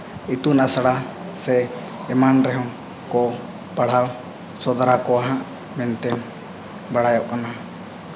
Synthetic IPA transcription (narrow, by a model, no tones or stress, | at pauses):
it̪unasaɽa | sɛː | manɾɛɦɔ̃ | kɔ | paɽ̤aw | sɔd̪aɾakɔaɦãʔ | mɛnt̪ɛ | baɽ̤ajɔʔkana